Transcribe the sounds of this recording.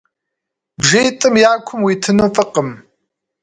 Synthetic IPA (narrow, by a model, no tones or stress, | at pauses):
bʒejt̪ʼɨmjaːkʷʰʊmwit̪ʰɨnufəqəm